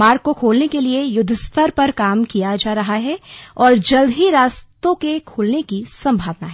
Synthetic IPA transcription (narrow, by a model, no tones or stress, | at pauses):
maːɾkːokʰoːlnekeliejʊd̪ʱːəst̪ʰəɾpɐɾkaːmkijad͡ʒaːɾɐɦaɦɛɔːɾd͡ʒɐld̪ʱiɾaːst̪õkekʰoːlnekisɐ̃mbʱaːʋna̰ɦɛː